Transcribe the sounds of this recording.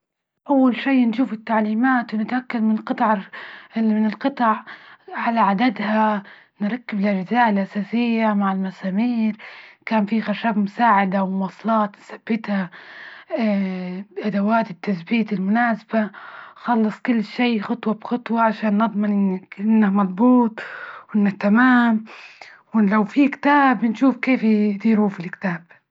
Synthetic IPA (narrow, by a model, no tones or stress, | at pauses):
ʔawːalʃiːnʃuːfɪt̪ːaʕliːmaːt̪wɪnɪt̪ʔakːad̪mɪnlqɨt̪ˤɑʕ | mɪnɪlqɨt̪ˤɑʕʕalaʕad̪ad̪ha | nɾˤɑkːɪblad͡ʒɪzaːʔɪlʔasaːsɪjːamaʕɪlmasaːmiːɾkaːnfixaʃaːbmʊsaːʕɪd̪awwɑːsˤlɑːt̪nsabːɪt̪ha | bʔad̪awaːt̪ɪt̪ːasbiːt̪ɪlmʊnaːsabaxɑlːɨsˤkʊlːʃiːxʊt̪ˤwɑbxɑt̪ˤwɑʕaʃaːnːɨd̪ˤmɪnʔɪnːɪnːamɑðˤbuːt̪ˤʔɪnːat̪amaːmwɪlawfikt̪aːbnʃuːfkeːfd̪iːɾufilkt̪aːb̥̚